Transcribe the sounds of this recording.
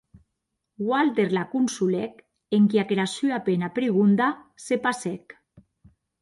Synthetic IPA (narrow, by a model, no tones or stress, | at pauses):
walt̪eɾlakunsulɛk | eŋkiakɾasyapenapɾiɣ̞und̪asepasɛk